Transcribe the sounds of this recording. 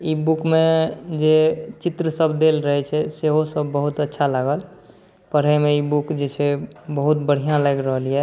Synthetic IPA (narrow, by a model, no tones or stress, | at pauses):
ibukmẽd͡ʒet͡ʃɪt̪ɾəsəbd̪elɾəɦɛt͡ʃʰɛseɦosəbːəɦut̪ətːʃʰaləɡəl | pəɽ̤ɦɛmẽibukd͡ʒet͡ʃʰebəɦut̪bəɽ̤ijãləɡɾəɦəliɛ